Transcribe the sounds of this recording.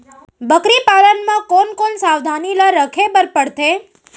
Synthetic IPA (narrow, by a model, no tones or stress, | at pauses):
bəkɾipalənmãkonkonsaʋd̪ʱanilaɾəkʰebəɾpəɽt̪e